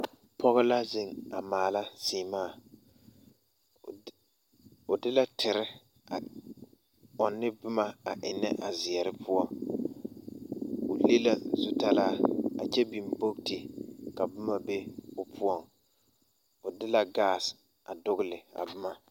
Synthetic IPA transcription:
pɔ˦ɣɪ˦la˦zɪ˦ŋa˨maː˨la˦z̥iː˨maː˦˨ | ʊ˨dɪ˦la˦tʰɪ˨ɾɪ˦ | a˨ | ɔ˨nːɪ˦bʊ˦ma˨a˨ʔɪ˨nːɪ̰˦ʔa˨zɪ˨ɛ˨ɾɪ˦pʰʊ˦ɔ˦ | ʊ˨le˦la˨zʊ˦ta˦laː˦a̰˨t͡ʃɛ˦bi˨mbo˦kti˨ka˨bʊ˦ma˨be˦ʊ˨pʰʊ˦ɔ˦˨ŋ | ʊ˨dɪ˦la˨ɡaː˦˨s | a˨dʊ˦ɣʊ˦lɪ˨a̰˨bʊ˦ma˨

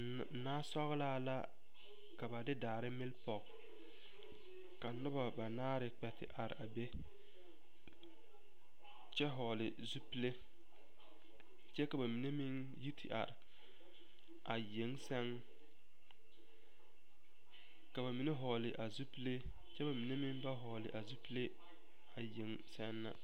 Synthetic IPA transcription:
naː˦sɔ˦ɣlaː˦˨la˦ | ka˨ba˨dɪ˦daː˨ɾɪ˦mɪ˦lpɔ˨k | ka˨nʊ˦ba˨ba˨naː˦ɾɪ˨k͡pɛ˨tɪ̰˨ʔa˨ɾɪ̰˨a˨be˦ | t͡ʃɛ˦ɦɔ˨lɪ˨ | zu˦pi˦le˦ | t͡ʃɛ˦ka˨ba˨mi˨ne˦mɪ˦ŋ | ji˦tʰɪ˨ʔa̰˨ɾɪ˨ | a˨je˨˦ŋsɛ˦ŋ | ka˨ba˨mi˨ne˦ɦɔː˨lɪ˨ʔa˨zu˦pi˦le˦ | t͡ʃɛ˦ba˨mi˨ne˦mɪ˦ŋba˦ɦɔ˨lɪ̰˨ʔa˨zu˦pi˦le˦ | a˨je˨˦ŋ | sɛ˦nːa̰˦

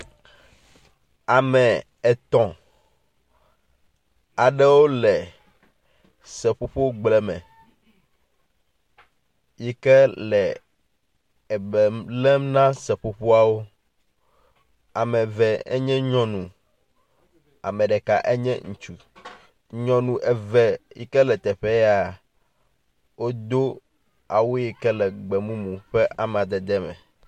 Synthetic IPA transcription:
a˨mɛ̃˨ | ɛ˨t̪ɔ̃˨ | a˨ɖɛ˦wo˦lɛ˨ | sɛ˨ɸo˦ɸo˦ɡ͡blɛ˨mɛ̰̃˨ | ji˦kɛ˦lɛ˨ | ɛ˨bɛ˨lɛ˦mnã˦sɛ˨ɸo˨ɸo˦a˨wo˦ | a˨mɛ̃˨vɛ˨ɛ̰˦ɲɛ̃˦ɲɔ̃˦nũ˨ | a̰˨mɛ̃˨ɖɛ˨ka̰˨ʔe˦ɲɛ̰̃˦ŋũ˨t͡ʃu˨ | ɲɔ̃˨nũ˨ʔɛ˨vɛ˨jḭ˦kɛ˦lɛ˨t̪ɛ˨ɸɛ˦ja˨ | wo˦d̪o˦ | a̰˨wo˦ji˨kɛ˦lɛ˨ɡ͡bɛ˨mũ˦mũ˨ɸɛ˦ʔa˨m˨ã˨d̪ɛ˨d̪ɛ˦mɛ̰̃˨

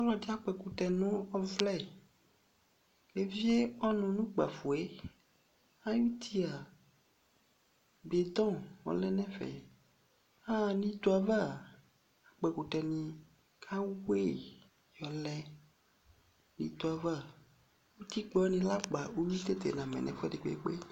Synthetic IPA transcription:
ɔ˦lɔ˨di˦a˨k͡pɛ˨ku˨t̪ɛ˨nũ˦ɔ˦vlɛ˦ | e˨vi˦e˦ɔ˦nɔ̃˨nũ˦k͡pa̰˨fu˨e˦ | a˦ju˦t̪ʰi˦a˨ | be˨d̪ɔ̃˦wɔ̰˨lɛ˦nɛ̃˦fɛ̰˨ | a˦nĩ˦d̪o˨a˨va˦˨ | a˨k͡pɛ˨ko˨tɛ˨nĩ˨ | kʰa˦we˦˨ | jɔ˨lɛ˦ | nḭ̃˨d̪o˨a˨va˦˨ | wu˦t̪i˦k͡pɔ˦nĩ˨la˦k͡pa˨u˦wi˦t̪e˦t̪e˨nã˨mɛ̰̃˨nɛ̰̃˨fɛ˦de˨k͡pḛ˨˦k͡pe˦

